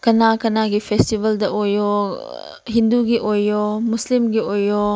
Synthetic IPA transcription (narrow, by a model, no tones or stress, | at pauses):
kɐnakɐnaɡipʰestibɐldɐʔojo | ɦinduɡiʔojːomuslimɡiojːo